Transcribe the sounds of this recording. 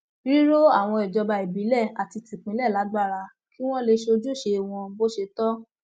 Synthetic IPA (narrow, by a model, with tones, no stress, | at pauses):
ɾi˦ɾo˦a˦˨w̃ɔ̃˧ɛ˨d͡ʒɔ˧ba˧e˨bi˨˦lɛ˦˨a˨ti˧ti˨k͡pĩ˨˦lɛ˦˨la˨˦ɡ͡ba˦˨ɾa˧ | ki˦w̃ɔ̃˦le˧ʃe˧o˧d͡ʒu˦ʃe˧w̃ɔ̃˧bo˦ʃe˧tɔ˦